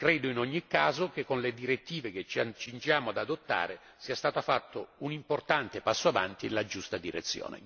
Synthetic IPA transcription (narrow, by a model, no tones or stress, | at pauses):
kɾɛːd̪oinɔɲːikːaːzok̟ekːonled̪iɾet̪ːiːvek̟et͡ʃa̰t͡ʃːind͡ʒaːmoad̪ad̪ot̪ːa̰ːɾe | siːast̪aːt̪afat̪ːounimport̪ant̪epasːoava̰nt̪inelad͡ʒust̪ad̪iɾḛt̪sːjo̰ːnḛ